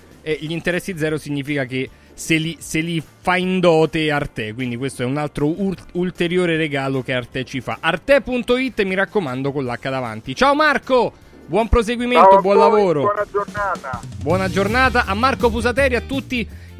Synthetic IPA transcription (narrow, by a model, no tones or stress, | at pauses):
ɛʎint̪eɾɛsːid̪zɛːɾosiɲːiːfikake | seliselifaind̪ɔːt̪eart̪ɛkwind̪ikwest̪oɛunalt̪ɾoult̪eɾjoːɾeɾeɡaːlokeart̪ɛt͡ʃːifa̰ʔart̪ɛpunt̪oit̪ːmiɾakːomand̪okolːakːad̪ava̰nt̪it͡ʃaomarko | bwɔmpɾos̬eɡwiment̪obwɔnlavoːɾonad͡ʒonaːt̪abwɔnad͡ʒornaːt̪̬aʔamːarkofuzat̪̬ɛːɾiat̪ːut̪ːi